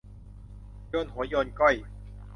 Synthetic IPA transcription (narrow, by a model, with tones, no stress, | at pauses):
joː˧nɦu˩˦joː˧nkɔ˥˩j